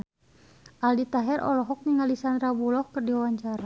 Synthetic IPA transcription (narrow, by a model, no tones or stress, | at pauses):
ʔaldit̪aɦɛrʔɔ̰lɔɦɔk̚niŋalisanrabulɔhkɨrdiwawaɲt͡ʃaɾa